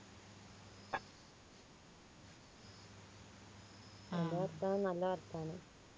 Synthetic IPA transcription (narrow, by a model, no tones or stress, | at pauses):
nɐlːɐʋɐɾt̪aːnunɐlːɐʋɐɾt̪aːnu